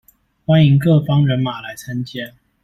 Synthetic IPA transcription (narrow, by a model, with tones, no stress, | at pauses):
xwa˥ni˧˥ŋkɤ˥˩fɑ˥ŋɻə˧˥nma˨˩la˧˥ɪt͡sʰə˥nt͡ɕjɛ˥n